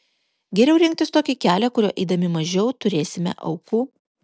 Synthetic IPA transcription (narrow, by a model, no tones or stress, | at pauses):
ɡʲɛɾʲɛʊɾʲɪŋʲk̚t̪ʲɪst̪oːkʲɪkʲæːlʲɛkʊɾʲoːʔɛɪd̪ɐmʲɪmɐʒʲɛʊt̪ʊɾʲeːsʲɪmʲɛ̰ʔɐ̰ʊkuː